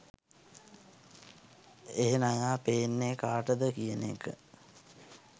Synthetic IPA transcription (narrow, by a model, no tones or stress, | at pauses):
eɦenajaːpeːnːekaːʈəd̪əkijənḛkə̰